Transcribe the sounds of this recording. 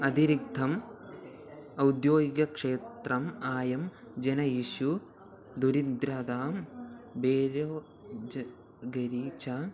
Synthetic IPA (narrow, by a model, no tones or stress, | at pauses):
ɐd̪iɾiɡ̚d̪ʱɐm | ɐwd̪joːɡiɡɐkʂeːt̪rɐmaːjɐm | d͡ʒɐnɐjiːʃu | d̪uɾind̪ɾad̪aːmbeːɾoː | d͡ʒɐ | ɡɐɾiːt͡ʃa